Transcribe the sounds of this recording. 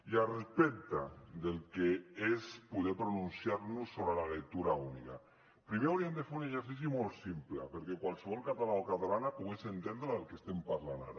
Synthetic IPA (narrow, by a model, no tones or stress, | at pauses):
iarespek̚t̪ad̪elkeespuðepɾonunsjaɾnusːoβɾelalek̚t̪uɾaunika | pɾimeuɾiend̪efeɾuneʃeɾs̬is̬jimolt̪simplapeɾkekwalˠseβɔlˠkat̪alaokat̪alanapuɣesent̪end̪ɾaðelˠkest̪empaɾlana̰ɾa